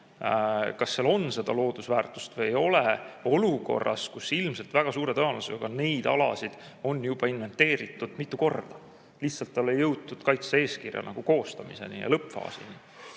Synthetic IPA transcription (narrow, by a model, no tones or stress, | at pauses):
kɑsːeɑlo̞nse̞d̪̥ɑlo̞ːd̪̥usvæːrt̪ˑu̥st̪vɤjejo̞leo̞luko̞̰rːɑ̰skusːilmse̞lt̪væɡ̥ɑsuːɾe̞t̪ɤɑlɑseɑɡ̥ɑne̞jd̪̥ɑ̰lɑ̰sid̪̥ | o̞nːjub̥ɑinve̞nt̪ːe̞ːɾit̪ːˑud̪̥mit̪ːˑuko̞rd̪̥ɑ | liçhtsɑlt̪ːɑlːejɤwt̪̚t̪ːud̪̥kɑjt̪see̞ːskirjɑ̰nʔɑ̰ɡ̥uko̞ːst̪ɑmise̞̰nḭjɑ̰lɤpfɑ̰ːsḭni